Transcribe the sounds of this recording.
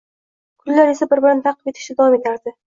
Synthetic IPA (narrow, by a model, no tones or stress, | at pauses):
kʰʊlːaɾe̞sabɪɾbɪɾant̪ʰɑqːɨ̥pet̪ʰɪ̥ʃt̪ɪd̪avɒme̞t̪ʰaɾd̪ɪ